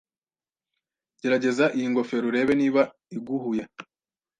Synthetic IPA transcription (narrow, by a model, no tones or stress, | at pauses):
ɟe̞ɾaɟe̞zaʔijiŋɡo̞fe̞ɾuɾe̞ːβe̞niːβa | iɡuɦuja